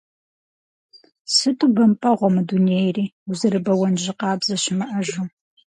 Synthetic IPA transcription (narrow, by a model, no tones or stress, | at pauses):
sɨtʰʼubɐmpʼɐʁʷɔmɨdunejriːuzɨɾɨbɐwɐnʒɪqɑːbzɐɕɪmɐʔɐʒu